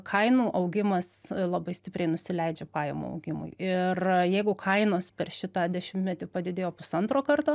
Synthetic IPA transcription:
kʰɐɪnuːʔɐʊɡʲɪmɐslˠɐbɐɪsʲt̪ʲɪpʲɾʲɛɪnʊsʲɪlʲɛɪd͡ʒʲɛpɑːjɛ̰mṵɐ̰ʊɡʲɪmʊ̰ɪɪrjɛɪɡʊkʰɐɪnoːspʲɛrʃʲɪt̪ɑːd̪ʲɛʃʲɪmt̪ʲmʲɛt̪ʲɪpɐd̪ʲɪd̪ʲeːjoːpʊsɐnt̪ɾoːkɐrt̪oː

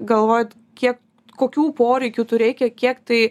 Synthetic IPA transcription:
ɡɐlˠʋoːjɛt̪ | kʲiɛk | koːkʲuːpoːɾʲɛɪkʲut̪ʊɾʲɛɪkʲɛkʲiɛkt̪ɐɪ

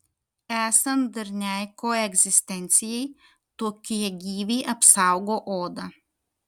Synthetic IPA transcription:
æːsɐnd̪ɐɾʲnʲæˑɪkoːɛɡʲzʲɪsʲt̪ʲɛnʲt̪sʲɪjɛɪ | t̪oːkʲiɛɡʲiːʋʲiːʔɐpsɐˑʊɡoːʔoːd̪ɐ

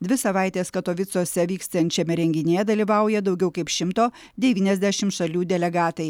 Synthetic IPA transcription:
d̪ʲʋʲɪsɐʋɑˑɪt̪ʲeːskɐt̪oːʋʲɪt̪soːsʲɛʋʲiːkst̪ɐnʲt͡ʃʲɛmʲɛɾʲɛŋʲɡʲɪnʲeːd̪ɐlʲiːʋɐˑʊjɛd̪ɒʊɡʲɛʊkɐɪpʃʲɪmt̪oː | d̪ʲɛʋʲiːnʲɛzʲd̪ʲæʃʲɪmt̪ʃɐlʲuːd̪ʲɛlʲɛɡɑːt̪ɐɪ

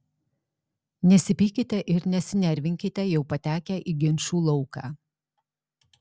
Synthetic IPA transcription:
nʲɛsʲɪpʲiːkʲɪt̪ʲɛʔɪɾnʲɛsʲɪnʲɛɾʲʋʲɪŋʲkʲɪt̪ʲɛjɛʊpɐt̪ʲæːkʲæːʔiːɡʲɪnʲʃuːlˠɔʊkɑː

